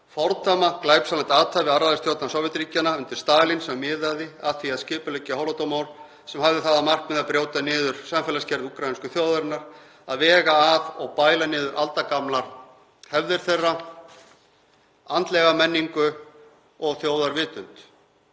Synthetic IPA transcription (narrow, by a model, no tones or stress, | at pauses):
fɔɾt̪ʰamaklaːjpsalant̪aːt̪ʰavɪðaɾaðst̪joːwt̪nasɔwvɪt̪ɾiːcanaʏnt̪ɪɾ̥st̪aːlinsɛmmɪːðaðɪaðθviaðscɪːpʏlɛcːahɔlɔt̪omaːwl | sɛmhavðɪθaðamar̥kmɛðapɾjowt̪anɪːðʏɾ̥samfɛːlascɛɾðukɾajnskʏθjoːwðaɾɪnːaɾ̥ | aðvɛːɣaːvɔɣpaːjlanɪːðʏɾʔalt̪akamlaɾ̥ | hɛvðɪɾ̥θerːa | ant̪lɛɣamɛnːiŋkʏ | ɔɣθjoːwðaɾvɪːt̪ʏnt̪